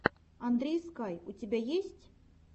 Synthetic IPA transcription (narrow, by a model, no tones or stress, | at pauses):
and̪ɾʲɛjskajut͡sʲabʲejesʲt͡sʲ